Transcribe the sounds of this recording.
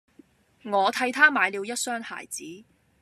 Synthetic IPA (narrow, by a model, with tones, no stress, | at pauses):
ŋɔː˨˧t̪ʰɐ˧jt̪ʰaː˥maː˨˧jliː˨˧wjɐ˥t̚sœː˥ŋha̰ː˨˩jt͡siː˨˥